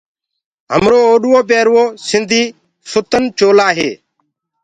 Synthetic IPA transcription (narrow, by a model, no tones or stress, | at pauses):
ɦə̰mɾoːoːɗʊʋoːp̬eːɾʋoːsɪnd̪ʱiː | sʊt̪ənt͡ʃoːlaːɦeː